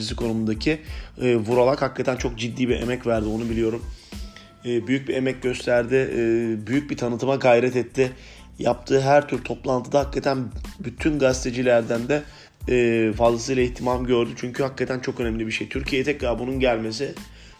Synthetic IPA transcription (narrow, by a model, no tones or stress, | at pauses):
is̬i̥kʰo̞numund̪acʰɪːvuɾalˠakhakʰːat̪ʰænt͡ʃʰo̞k̚d͡ʒid̪ːiːbiʔḛmɛcvæɾd̪io̞nubilʲijo̞ɾumː | byjyc̚bie̞mɛc̚ɟø̞st̪ʰæɾd̪ɪbyjyc̚bit̪ʰanɯt̪ʰɯmaɡajɾɛt̪ɛt̪ʰːɪ | jap̚t̪ʰɯːɦæɾt̪ʰyɾt̪ʰo̞plˠant̪ʰɯd̪ahakːat̪ʰænbyt̪ʰynɡast̪ʰed͡ʒilʲæɾd̪ænd̪ɛː | fazlˠas̬ɯjlʲaiçt̪ʰimamɟø̞ɾd̪yt͡ʃʰyɲcʰyhakʰːat̪ʰænt͡ʃʰo̞kønɛmlʲibiʃejt̪ʰyɾcʰijeɛt̪ʰɛclaɾbununɟælʲme̞s̬ɪ